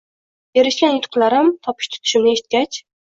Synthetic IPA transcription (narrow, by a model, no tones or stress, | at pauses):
eɾɪʃlʲɛnet̪ʰqʰɨlˠɑɾɑmt̪ʰɒpʰɨ̥ʃt̪ʰy̥t̪ʰy̥ʃymnɪeʃi̥t̪̚kʲɛt͡ʃ